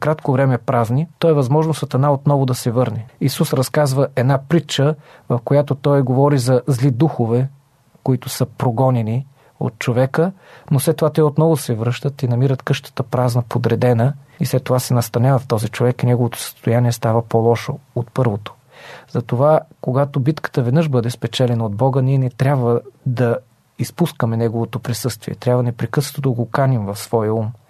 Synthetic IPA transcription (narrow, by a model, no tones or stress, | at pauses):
kɾat̪kovɾɛmɛpɾaznit̪ɔjɛvɐzmɔʒnosɐt̪ɐnaot̪nɔvod̪ɐsɛvɤɾnɛisusɾɐskazvəʔɛd̪napɾit͡ʃəvɐfkojat̪ot̪ɔjɡovɔɾizɐzlid̪uxovɛ | koit̪ʊsəpɾoɡɔnɛni | o̰t̪̚t͡ʃovɛkənoslɛt̪ːovat̪ɛot̪nɔvʊsɛvɾɤʃt̪ət̪inɐmiɾət̪kɤʃt̪ə̥t̪əpɾaznəpod̪ɾɛd̪ɛnəislɛt̪ːovasɛnɐst̪ɐnʲavɐft̪ɔzit͡ʃovɛkinɛɡovot̪o̥sə̥st̪ojaniɛst̪avəpolˠɔʃo̰ot̪pɤɾvot̪o̥ | zɐt̪ovakoɡat̪obit̪kə̥t̪əvɛd̪nɤʃbɤd̪ɛspɛt͡ʃɛlɛnəod̪̚bɔɡəniɛnɛt̪ɾʲabvəd̪ɐ | ispuskəmɛnɛɡovot̪opɾisɤst̪vḭɛ̰t̪ɾʲabvənɛpɾɛkɤsə̥t̪od̪əɡokanimvɐfsv̥ɔjəum